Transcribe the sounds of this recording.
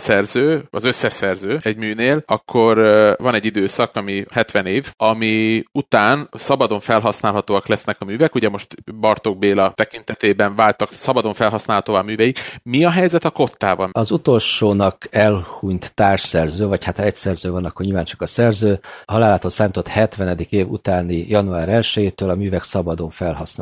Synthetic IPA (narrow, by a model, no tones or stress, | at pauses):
sɛrzøːɒzø̞sːɛsɛrzøːɛɟmyːneːlɒkʰːo̞rvɒnɛɟːid̪øːsɒkɒmihɛt̪ʋɛneːvɒmiut̪aːnsɒbɒd̪o̞ɱfɛlɦɒsnaːlɦɒt̪oːɒklɛsnɛkɒmyːvɛkuɟɛmo̞ʃt̪bɒrt̪o̞ɡ̚beːlɒt̪ɛkint̪ɛt̪eːbɛɱvaːlt̪ɒksɒbɒd̪o̞ɱfɛlɦɒsnaːlɦɒt̪oːvaːmyːvɛjikmiɒɦɛjzɛt̪ɒko̞t̪ːa̰ːvɒ̰nɒzut̪o̞lʃoːnɒkɛlhuɲt̪ːaːrʃsɛrzøːvɒchat̪ɒɛcsɛrzøːvɒnɒkːorɲilvaːnt͡ʃɒ̥kɒsɛrzøːhɒlaːlaːt̪oːlsaːmit̪o̞t̪hɛt̪ʋɛnɛd̪ikeːvṵt̪aːnijɒnuaːɾɛlʃɛjeːt̪øːlɒmyːvɛksɒbɒd̪o̞ɱfɛlɦɒsn